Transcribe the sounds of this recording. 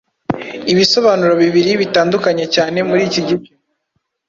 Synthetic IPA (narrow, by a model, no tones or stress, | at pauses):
iβiso̞βaːnuɾoβiβiɾiβitaːndukaɲe̞caːne̞muɾiːciɟibɟo